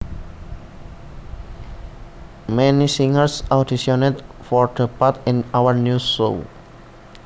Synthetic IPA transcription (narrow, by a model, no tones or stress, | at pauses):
mɛnisĩŋəɹsadisɔnedfɔɹd̪əpat̪ɛ̃nawəɹnjuso̰